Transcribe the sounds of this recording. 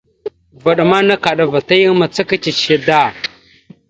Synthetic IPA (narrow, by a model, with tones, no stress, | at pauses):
va˨ɗa˨ma˦na˦ka˨ɗa˨va˨ta˦ji˦ŋ˦ma˨t͡sa˦ka˦t͡ʃi˨i˨da˦˨